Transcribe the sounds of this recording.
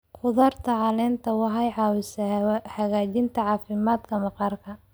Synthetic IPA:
qʊðɐrt̪ʰɐʕɑlɛːnt̪ʰɐwɑɦɐjʕɑwɪshɐɣaːt͡ʃɪnt̪ʰɐʕɑːfɪmaːd̪kʰɐmɐqɑrkʰɐ

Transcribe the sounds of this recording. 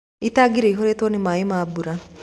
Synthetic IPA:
itaɡiɾeiɦoɾetonimaːjimaːbuɾa

